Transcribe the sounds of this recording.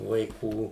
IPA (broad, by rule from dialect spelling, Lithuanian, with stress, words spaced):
ʋɐɪˈkuː